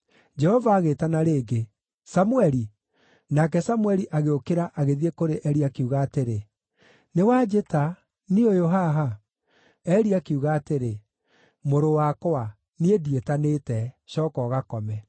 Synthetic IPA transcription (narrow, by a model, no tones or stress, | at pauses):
d͡ʒɛhɔvaːɣeːtanaɾeːɡe | samuɛɾi | nakɛsamwɛɾiʔaɣeokeɾaʔaɣeðiekoɾeʔɛɾiakeuɣaːteɾe | newad͡ʒeta | niojoɦaɦa | ɛɾiakeuɣaːteɾe | moɾowakɔa | niedietaneːtɛɕɔːkɔːɣakɔmɛ